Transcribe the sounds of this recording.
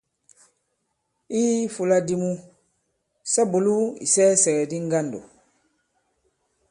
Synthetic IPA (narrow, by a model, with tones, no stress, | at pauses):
i˦fu˨la˦di˦mu˦ | sa˦bu˨lu˦ḭ˨sɛː˦sɛ˨ɡɛ˨di˦ŋ˦ɡa˦ndo̰˨